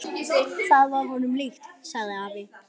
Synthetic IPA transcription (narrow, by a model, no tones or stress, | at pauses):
θaðvaɾɦɔnʏmlixt̪saɣðɪaːpɪ